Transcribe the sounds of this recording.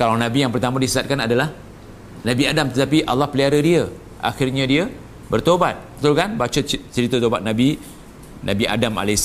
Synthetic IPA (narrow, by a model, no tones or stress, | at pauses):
kalawnãbijaŋpərt̪amãdisəsat̪̚kanadalah | nãbiadamt̪ət̪ap̬iʔa̰lːahpəliaɾədiə | ʔa̰xɪrɲədiə | bərt̪obat̪̚bət̪ulkanbat͡ʃət͡ʃəɾit̪ot̪obat̪̚nãbi | nabiʔa̰dama̰lɛs